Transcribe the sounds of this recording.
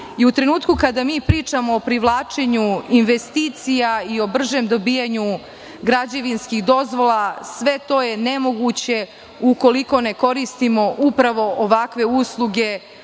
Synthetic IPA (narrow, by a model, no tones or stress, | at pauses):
iut̪ɾe̞nuːt̪kukad̪amiːpɾiːt͡ʃamo̞ːpɾiʋlˠaːt͡ʃe̞ɲuinʋe̞st̪iːt̪sijaio̞br̩ʒeːmd̪o̞biːjaɲu | ɡɾad͡ʑeʋinskixd̪o̞zʋo̞lˠasʋe̞t̪o̞ːje̞ne̞mo̞ɡut͡ɕe̞ | uko̞liko̞ne̞ko̞ɾist̪imo̞ʔupɾaʋo̞ʔoʋakʋe̞uslˠuɡe̞